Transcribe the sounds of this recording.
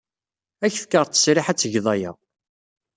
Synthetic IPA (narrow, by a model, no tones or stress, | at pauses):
æçθkːəʁˤt͡s̪ːə̥sɾɪħæt͡sːʝðˤɑjæ̰